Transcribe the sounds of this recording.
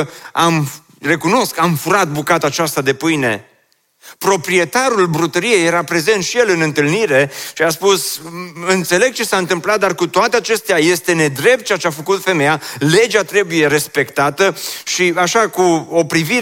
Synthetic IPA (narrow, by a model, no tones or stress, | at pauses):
am | re̞kuno̞skamfuɾat̪̚bukat̪at͡ʃast̪ad̪e̞pɨjne̞̰ | pɾo̞pɾie̞t̪aɾulbɾut̪əɾije̞jeɾapɾe̞ze̞nt̪ʃije̞lɨnɨnt̪ɨlniɾe̞ʃiaspusɨnt̪se̞le̞ɡ̚t͡ʃe̞saɨnt̪ɨmplat̪̚d̪arkut̪oat̪eat͡ʃe̞st̪eaje̞st̪e̞ne̞d̪ɾe̞p̚t̪̚t͡ʃeat͡ʃeafəkut̪fe̞me̞jale̞d͡ʒat̪ɾe̞buje̞ɾe̞spe̞kt̪at̪əʃiaʃakuo̞pɾivi